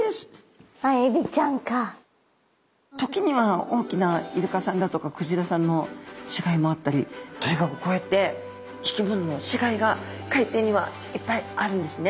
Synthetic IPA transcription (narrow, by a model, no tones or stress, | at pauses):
s | aebʲit͡ɕãŋka | t̪o̞kʲiɲ̟iβao̞ːkʲinaiɾɯ̟kasãnd̪at̪o̞kakɯ̟ʑiɾasãnːo̞ɕiɡaimo̞at̪ːaɾʲit̪oiɡakɯko̞et̪ːe̞ | ikʲibɯ̃nːo̞ɕiɡaiɡakait̪e̞ːɲ̟iβa̰ | ipːaiaɾɯ̟̃nd̪e̞sɨne̞